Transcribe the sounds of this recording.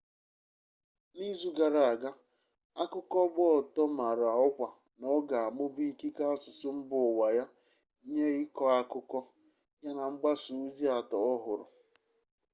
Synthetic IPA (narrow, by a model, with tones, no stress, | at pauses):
ni˦zu˦ɡa˨ɾa˨a˨ɡa˦ | a˦kʊ˦kɔ˦ɡ͡bʊ˦ɔ˨tɔ˦ma˨ɾa˨ʊ˦kʷa˨ | nɔ˦ɡa˨a˨mʊ˦bi˦i˦˨ki˦ka˦a˦sʊ˨sʊ˦m̩˦bʊ˨wa˨ja˦ | ɲe˦ɪ˦kɔ˦a˦kʊ˦kɔ˦ | ja˦na˨ŋ͡m̩˦ɡ͡ba˦sʊ˨˦zi˦a˨tɔ˨ɔ˦ɦʊ˨ɾʊ̰˨